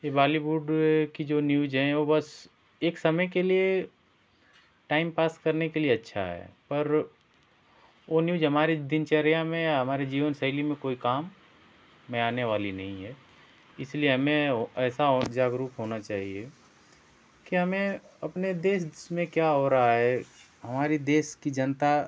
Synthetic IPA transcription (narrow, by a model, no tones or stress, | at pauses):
jebaːliwuːɖkid͡ʒoːnjuːd͡ʒɦɛ̃ʋobɐs | eːksɐməjkelie | ʈaːɪmpaːskɐɾnekelieɐtːʃʰa̰ɦɛ̰pɐɾ | onjuːd͡ʒɦɐmaːɾed̪ɪnt͡ʃeɾijamẽjaɦɐmaːɾed͡ʒiːʋənsɐɪlimẽkoːikaːmː | ẽaːneʋaːlinɐɦĩɦɛ | ɪslieɦɐmẽɛːsaɦod͡ʒaːɡɾuːpɦoːnat͡ʃaːɦie | kiɦɐmẽɐpned̪eːsmẽkjaɦoːɾaɦaɦɛ | ɦɐmaːɾid̪eːskid͡ʒɐnt̪a